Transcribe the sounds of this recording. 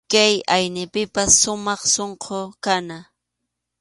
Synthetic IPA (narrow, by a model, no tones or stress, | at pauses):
kajajnɪpɪpasːʊmɑχsoɴqʰokana